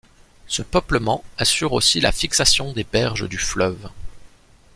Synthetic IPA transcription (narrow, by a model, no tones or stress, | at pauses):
səpœpləmɑ̃asyʁo̰sila̰fiksasjɔ̃d̪ebɛʁʒəd̪yflœv